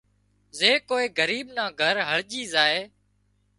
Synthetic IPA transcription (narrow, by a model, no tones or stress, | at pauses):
zeːkoːeːɡəɾiːɓnãːɡʱəɾɦəɭʄiːzaːeː